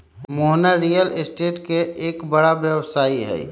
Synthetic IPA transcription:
moɦnaɾijəlesʈeːʈkeeːkbəɽaʋjəʋsaːiɦɛ̰i

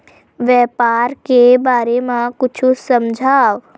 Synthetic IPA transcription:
ʋjɛːpaːɾkebaːɾemãkʊt͡ʃʰusɐmd͡ʒʱaːʋ

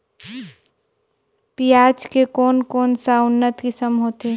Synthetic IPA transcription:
piːaːt͡ʃkekɔːnkoːnsaʊnːət̪kisəmɦoːt̪e

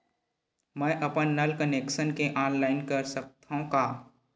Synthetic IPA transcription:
mɛ̃ːʔɐpənːəlkəneːkʃənkeʔaːnlaːɪnkəɾsək̚t̪õkaː

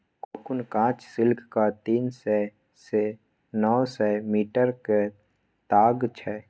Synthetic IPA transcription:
koːkʊnkãːt͡ʃsɪlkʰkat̪iːnsɛ | se | nɔːsɛmiːʈəɾke | t̪aːɡt͡ʃʰɛː

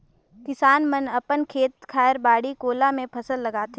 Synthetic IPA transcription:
kɪsaːnmənɐpənkʰeːt̪kʰaːjəɾbaːɽikoːlamẽpʰɐsəlːɐɡaːt̪eː

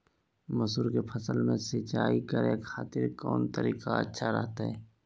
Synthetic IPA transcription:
mʊsuːɾkepʰəsəlmẽsɪt͡ʃaːikəɾekʰaːt̪ɪɾkɔ̰ːnt̪əɾiːkaə̰tːʃʰaɾɛ̰ɦt̪aɦɛː

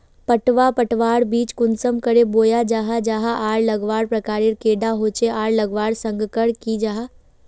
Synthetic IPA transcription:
pəʈʋapəʈʋaːɽbiːt͡ʃkʊnsəmkəɾeboːjad͡ʒaːɦad͡ʒaːɦaʔaːɽlɐɡʋaːɽpɾɐkaːɾeːɾkeːɖaɦoːt͡ʃeʔaːɽləɡʋaːɽsə̃ŋɡkəɽkid͡ʒaːɦa

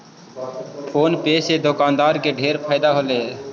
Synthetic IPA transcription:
pʰoːnpeːseːd̪ʊkaːnd̪aːɾkeːɖʱeːɾpʰaːɪd̪aːɦoleː

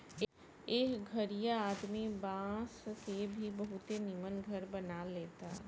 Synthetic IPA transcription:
eːkɡʱɐɾijaaːd̪mibãːskebʱibɐɦʊt̪enɪmənɡʱəɾbɐnaleːt̪aː

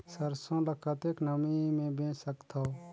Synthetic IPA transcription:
səɾsõləkʰət̪eːknəmimẽbẽːsəkt̪ʰo

